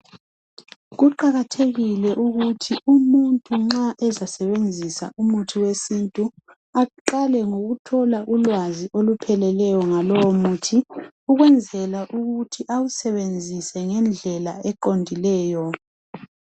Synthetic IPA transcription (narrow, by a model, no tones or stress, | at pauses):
ɣuǃaɣatʰeɣilɛʔuɣutʰiumuntʼuŋ͡ǁaʔɛzasɛβend͡zʱisa̰ʔumutʰiwesintʼu | aǃalɛŋoɣutʰɔlaʔulwaziʔolupʰɛlɛlɛjɔŋalɔwomuːtʰi | uɣwɛnd͡zʱɛlaʔuɣutʰiʔawusɛβend͡zʱisɛŋɛnd͡ɮʱɛla̰ɛǃondʱilɛːjɔ